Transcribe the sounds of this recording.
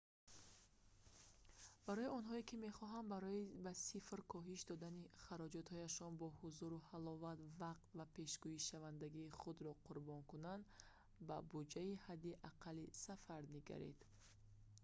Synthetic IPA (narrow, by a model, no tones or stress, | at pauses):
b̥aɾɔjiɔnɦɔekime̞χɔɦand̪ɾɔbasifɾkʰɔɦiʃd̪ɔd̪aniχaɾɔd͡ʒɔt̪hɔjaʃɔnbɔhuzuɾuhalɔvat̪vaq̚t̪vape̞ʃɡuiʃavand̪aɡiːχud̪ɾɔqʰuɾbɔŋkunand̪ | babud͡ʒaihad̪ːiʔaqʰalːisafaɾniɡa̰ɾḛd̪̥